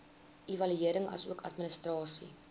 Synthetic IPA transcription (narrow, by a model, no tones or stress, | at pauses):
ʔivɐlyiəɾəŋɐ̰suəkʰɐtminəstrɑːsḭ